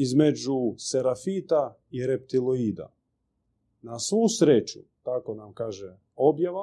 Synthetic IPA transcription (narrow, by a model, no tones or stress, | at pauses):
izme̞d͡ʒuseɾafiːt̪a | iɾep̚t̪iloiːd̪a̰ | nasʋuːsɾet͡ʃṵt̪ako̞namkaːʒe | objaʋa